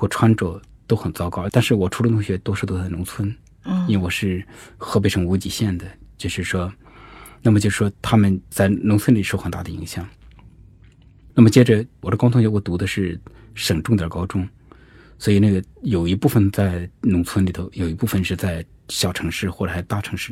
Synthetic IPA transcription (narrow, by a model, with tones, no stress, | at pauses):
xwɔ˥˩ʈ͡ʂʰwa˥nʈ͡ʂɤ˨˩ | t̪o˥ʊxə˨˩nt͡sɑ˥˧kɑ˥˧ʊ˥t̪a˥˧nʂɻ̩˥˩wɔ˨˩ʈ͡ʂʰu˧˥lə˧nʊ˧˥ŋɕɥɛ˧˥t̪wɔ˥ʂɻt̪o˥t͡sa˥˩ɪnʊ˧˥ŋt͡sʰwə˥n | i˥nwe˥˧wɔ˨˩ʂɻ̩˥˩xɤ˧˥pe˧ɪʂɤ˧˥ŋu˧˥t͡ɕi˨˩ɕjɛ˥˩nd̪ə˩t͡ɕjo˥˧ʊʂɻ̩˥˩ʂwɔ˥ | na˥˩mət͡ɕjo˥˧ʊʂɻ̩˥˩ʂwɔ˥t̪ʰa˥mə˨nt͡sa˥˩ɪnʊ˧˥ŋt͡sʰwə˥nli˨˩ʂo˥˩xə˨˩nt̪a˥˩ə˩i˧˥ŋɕjɑ˨˩˦ŋ | na˥˩mə˩t͡ɕjɛ˥ʈ͡ʂə˧wɔ˨˩d̪ə˦kɑ˥ʊt̪ʰʊ˧˥ŋɕɛ˧˥wɔ˧˩t̪u˧˥d̪ə˧ʂɻ̩˥˩ | ʂə˨˩ŋʈ͡ʂʊ˥˧ŋt̪jə˞˨˩˥kɑ˥ʊʈ͡ʂʊ˥ŋ | swɔ˧˥i˨˩na˥˩ɡə˩jo˨˩ʊi˧˥pu˥˩fə˨˩nt͡sa˥˩ɪnʊ˧˥ŋt͡sʰwə˥nli˨˩t̪ʰo˧˥ʊjo˨˩ʊi˧˥pu˥˧fə˧˨nʂɻ̩˥˧t͡sa˥˩ɪ | ɕjɑ˨˩ʊʈ͡ʂʰɤ˧˥ŋʂɻ̩˥˩xwɔ˥˩ʈ͡ʂə˨˩ʂɪt̪a˥˩ʈ͡ʂʰɤ̥˧˥ŋʂɻ̩˥˩